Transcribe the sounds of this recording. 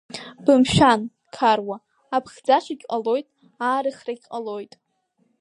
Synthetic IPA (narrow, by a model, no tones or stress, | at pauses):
bɨmʃᶣan | kʰarwaː | pʰχʲd͡zaʃʷaɡʲqʼalo̞jtʼ | aːɾɨχraɡʲqʼalojtʼ